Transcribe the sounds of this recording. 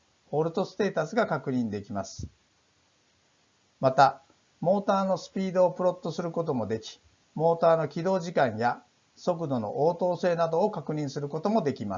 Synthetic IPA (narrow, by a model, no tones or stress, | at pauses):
ho̞ːɾɯ̟t̪o̞sɨ̥t̪e̞ːt̪asɨɡakakɯ̟ɲ̟ĩnd̪e̞kʲimasɨ̥ | mat̪a | mo̞ːt̪aːno̞sɨ̥pʲiːd̪o̞ːpɯ̟ɾo̞t̪ːo̞sɨɾɯ̟ko̞t̪̬o̞mo̞d̪e̞kʲi̥ | mo̞ːt̪aːno̞kʲid̪o̞ːʑikãɰ̃ja | so̞k̬ɯ̟d̪o̞no̞̰ʔoːt̪o̞ːse̞ːnad̪o̞ːkakɯ̟ɲ̟ĩɰ̃sɨɾɯ̟ko̞t̪o̞mo̞d̪e̞kʲima